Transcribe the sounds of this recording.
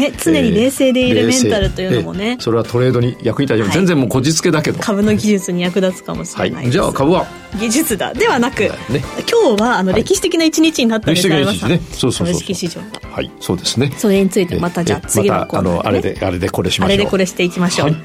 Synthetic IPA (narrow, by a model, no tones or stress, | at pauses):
ne̞t͡sɨne̞ɲ̟iɾe̞ːse̞ːd̪e̞iɾɯmẽ̞nt̪aɾɯ̟t̪o̞jɯ̟omo̞̰ne̞so̞ɾe̞βat̪o̞ɾe̞ːd̪o̞ɲ̟ijakɯ̟ɲit̪aiozend͡zẽmoːko̞d͡ʑit͡sɨ̥ke̞d̪ake̞d̪okʰabɯ̟no̞ɡʲiʑɨt͡sɨɲ̟ijakɯ̟d̪at͡sɨ̥ka̰mo̞̰ɕi̥a̰ḭna̰d͡ʑa̰ːkabɯ̟βa | ɡʲiʑɨt͡sɨd̪a̰d̪e̞βanakɯ̟̰nekʲʰo̞ːβaːno̞ɾɾe̞kʲiɕi̥t̪e̞kʲinait͡ɕiɲ̟it͡ɕiɲ̟inat̪ːɾaekii̥tekinaimaɲiinesoːsoɯ̥kʲiɕiʑo̞̰ːa̰ha̰iso̞ːd̪e̞sɨne̞soɾeɲ̟it͡sɨit̪emat̪ad͡ʑaːt͡sɨmaɡʲia̰koa̰noa̰ɾed̪ḛa̰ɾe̞d̪e̞ko̞ɾe̞ɕimaɾed̪e̞ko̞ɾe̞ɕi̥t̪e̞ikʲimaɕo̞ːaːi